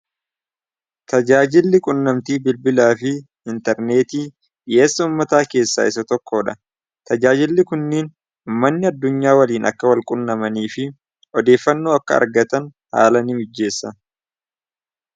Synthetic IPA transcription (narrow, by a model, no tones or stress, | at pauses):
t̪ɐd͡ʒaːd͡ʒɪlːɪkʼʊnːɐmt̪iːbɪlbɪlaːfɪ | ɪnt̪ɛɾne̞ːt̪iː | jeːsːɐʊːmːɐt̪aːke̞ːsːa̰ːɪsɐt̪ɔkːo̞ːᶑɐ̰ | t̪ɐd͡ʒaːd͡ʒɪlːɪkʊnːiːn | ʊmːɐnːɪɐd̪ːʊɲːaːwɐliːnɐ̰kːɐwɐlkʼʊnːɐmɐniːfɪ | ɔd̪e̞ːfːɐnːoːɐkːɐɐ̰ɾɡɐt̪ɐn | ha̰ːlɐnɪmɪd͡ʒːe̞ːsːɐ